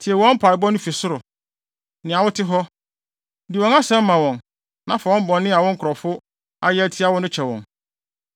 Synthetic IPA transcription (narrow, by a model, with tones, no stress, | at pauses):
tʰɪ˨ɛ˨wɔ̃˦m̩˦pʰa˨ɪ˨bɔ˦nʊ̃˦fi˨sʊ˦ɾʊ˨ | nɪ̃˨a˨wʊ˦tʰɪ˦ɦɔ˦ | dɪ˨wɔ̃˨na˦sɛ̃˦m̩˦mã˨wɔ̃˨n | nã˨fa˨wɔ̃˦m˦bɔ̃˨nːɪ̃˦a˨wɔ̃˦ŋ̩˦kʰʊ˨ɾɔ˨fʊ˦ | a˦jɛ˦æ˦tʰi˦a˦wʊ˦nʊ̃˦t͡ɕʰɛ˨wɔ̰̃˨n